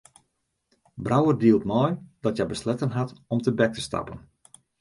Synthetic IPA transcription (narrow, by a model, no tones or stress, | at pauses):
brawərdiəlˠtmɔjd̥ɔtjɛbəslɛtənɦatɔmtəbɛk̚tə̥stɑ̰pən